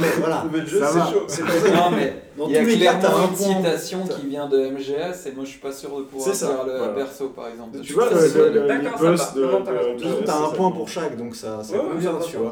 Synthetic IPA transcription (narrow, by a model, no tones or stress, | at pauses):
vwalamɛʒbavalanɔ̃mɛ̃ | ailamaɛ̃pwɛĩt̪asjɔ̃kivjɛ̃d̪əɛmʒeɛsemwaʒəʃsi̥pasyʁd̪əpuvwasɛʁsafɛʁləpɛʁsopa̰ʁɛɡzɑ̃p̪yvwaəd̪əd̪abøsd̪̃ut̪ɔ̃t̪aɛ̃pwɛ̃puʁʃakd̪ɔ̃ksasɛvwa